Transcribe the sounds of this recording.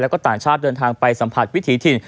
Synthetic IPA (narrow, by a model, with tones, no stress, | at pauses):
lɛ˦˥wkɔː˥˩t̪aː˨˩ŋt͡ɕʰaː˥˩t̪̚dɤː˧nt̪ʰaː˧ŋpa˧jsa˩˦mpʰa˨˩t̪̚wi˦˥t̪ʰiː˩˦˥t̪ʰi˧n